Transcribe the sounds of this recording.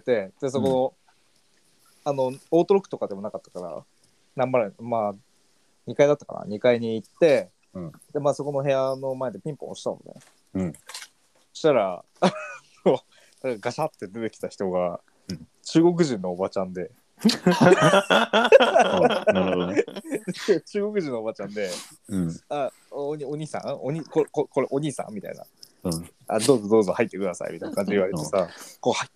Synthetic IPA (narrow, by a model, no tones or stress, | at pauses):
et̪e̞d̪̥es̬o̞ko̞no̞ | ano̞oːt̪oɾokɯ̟̥t̪o̞kad̪e̞mo̞nakat̪ːḁkaɾa̰ | nãmːaɾemaː | ɲ̟ikaid̪at̪ːḁka̰na̰ɲ̟ikaiɲiːt̪ːe̞ | d̪e̞maːso̞ko̞no̞ɦe̞jano̞mae̞d̪e̞pʲĩmpõ̰ɕi̥t̪a̰no̰nḛ | ɕi̥t̪aɾa | no | nakaɡaɕat̪ːe̞d̪e̞t̪e̞kʲi̥t̪açi̥t̪o̞ɡa | t͡ɕɨːɡo̞k̬ɯ̟ʑĩnːo̞ːbat͡ɕãnd̪e̞ | t͡ɕɨːɡo̞k̬ɯ̟ʑĩnːoobat͡ɕãnd̪e̞ | a | oɲoɲ̟iːsã̰oɲikokoko̞ɾeʔo̞ɲ̟iːsã̰mːit̪a̰ḭna̰ | a̰d̪o̞ːzo̞d̪o̞ːzohait̪ːe̞kɯ̟d̪asa̰ḭmʲit̪ainakãɲ̟d͡ʑiβaɾet̪e̞sako̞ha